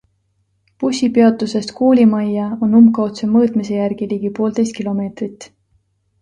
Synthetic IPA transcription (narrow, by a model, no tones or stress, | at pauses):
pusʲipeɑt̪ˑuse̞st̪koːlʲimɑjːɑo̞nːumkɑo̞t̪se̞mɤːt̪mise̞jærɡ̥iliːɡ̥ipo̞ːld̪ejst̪kilo̞me̞ːt̪rit̪ːˑ